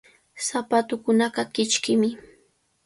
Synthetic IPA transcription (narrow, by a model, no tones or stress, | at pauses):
sapat̪ʊkʊnɑɢɑkɪt͡ʃkɪmɪ